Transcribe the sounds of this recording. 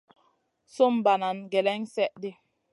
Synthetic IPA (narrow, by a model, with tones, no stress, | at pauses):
so˦mba˨na˨nɡɛ˨lɛ˦ŋsɛ˦ʔdi˦